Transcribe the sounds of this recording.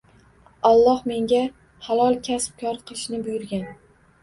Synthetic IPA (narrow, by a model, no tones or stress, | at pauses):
ɒlˠːɒhme̞ŋɡʲa | halˠɒlˠkʲʰasp̚kʰɒɾqʰɨɨʃnɪbʊjʊɾɡʲan